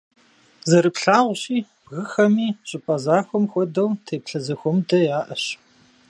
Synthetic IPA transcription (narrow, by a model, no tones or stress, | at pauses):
zɐɾɨpɬaːʁʷɕiː | b̥ɣɨxɐmiːɕʼɪpʼɐzaːxʷɔmxʷɔdɐwtʰeːpɬɐzɐxʷɔmdɐjaːʔɐɕ